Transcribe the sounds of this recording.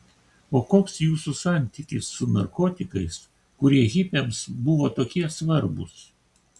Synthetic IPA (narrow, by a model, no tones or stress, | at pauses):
oːkoːksjuːsusɑˑnʲt̪ʲikʲɪsːʊnɐɾkoːt̪ʲɪkɐɪs | kʊɾɛɣʲɪpʲemsbʊʋoːt̪oːkʲiɛsʋɐɾbʊ̰s